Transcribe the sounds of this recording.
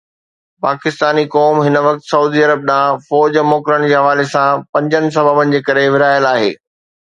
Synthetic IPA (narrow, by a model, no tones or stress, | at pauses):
paːkɪst̪aːnikɔːmɦɪnʋɐk̚t̪sɐuːd̪iɐɾəb̚ɗãːfɔːd͡ʑmoːkɾəɽ̃d͡ʑeːɦɐʋaːlesãpɐ̃ɲd͡ʑənɪ̆s̬ɐbʱəbənɪ̆d͡ʑeːkɐɾeʋɪɾaːjəlaːɦḛː